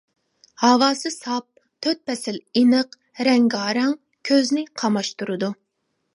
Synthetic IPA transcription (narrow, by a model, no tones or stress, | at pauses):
hɑwɑːsɨsɑp̚ | t̪ʰøt̪̚pʰɛsɪlinɨq | ɾɛŋɡɑːɾɛŋ | kʲʰøznɪqʰɑmɑʃt̪uɾɨd̪u